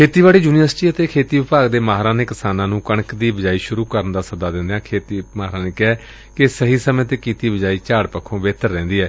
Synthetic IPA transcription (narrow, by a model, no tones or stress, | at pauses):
kʰeːt̪iːʋaːɽiːd͡ʒuːnijəɾsʈiːət̪eːkʰeːt̪iːʋɪpaːɡd̪eːmaːɦɾãːneːkɪsaːnãːnũːkəɳ̃əkd̪iːbəd͡ʒaːiːʃʊɾuːkəɾənd̪aːsəd̪aːd̪ɪ̃nd̪eːãːkʰeːt̪iːmaːɦɾãːneːkɪɛː | kɪsəɦiːsəmẽːt̪eːkiːt̪iːbəd͡ʒaːiːt͡ʃaːɽpəkʰːõːʋeːt̪əɾːɛ̃ːnd̪iːɦɛː